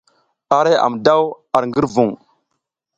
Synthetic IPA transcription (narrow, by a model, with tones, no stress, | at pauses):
a˨ɾe˦a̰˨mda˦w | a˨ɾŋɡə˦ɾvu˨ŋ